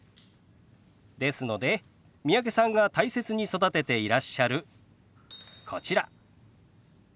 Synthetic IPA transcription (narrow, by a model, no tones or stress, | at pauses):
d̪e̞sɨno̞d̪e̞ | mʲiak̬e̞sãŋɡat̪aise̞t͡sɨɲ̟iso̞d̪at̪e̞t̪e̞iɾaɕːaɾɯ̟ | kʰo̞t͡ɕiɾa